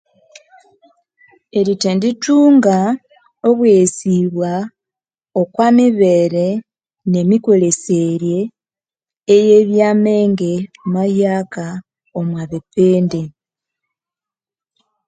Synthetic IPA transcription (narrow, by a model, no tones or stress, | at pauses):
eɾitendituːŋɡa | o̞βwesiβwa | okwamiβe̞ːɾe̞ | ne̞miko̞le̞se̞ɾje̞ | je̞βjaːme̞ːŋɡe̞majaːka | omwaβepeːnde